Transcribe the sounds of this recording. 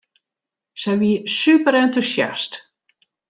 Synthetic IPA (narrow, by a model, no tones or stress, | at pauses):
sɛjʋisypəɾɛntusja̰st